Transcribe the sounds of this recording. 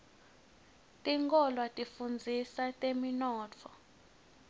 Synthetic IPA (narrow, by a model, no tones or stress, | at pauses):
tʼiŋkʼɔlwatʼifund͡zʱisatʼeminɔːt͡fʰɔ